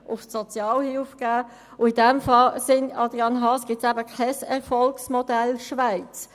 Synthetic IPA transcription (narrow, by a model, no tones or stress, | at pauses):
ʔʊfsɔt͡sjɑːlhilfɡ̥æː | ʊidɛmfɑlsɪnɑd̥ʁiɑnɦɑːsɡ̥ɪtsɛbəkʰɛɪsɛʁfɔlksmɔdɛlʃvaɪt͡s